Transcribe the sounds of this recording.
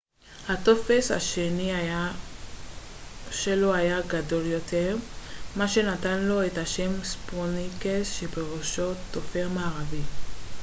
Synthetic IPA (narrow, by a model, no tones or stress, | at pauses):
hato̞fesha̰ʃe̞ni | ʃe̞lo̞ajaɡado̞ljo̞te̞ʁmaʃe̞natanlo̞ethaʃe̞msponikesʃebeʁoʃo̞t̪ːofeʁmaːʁavi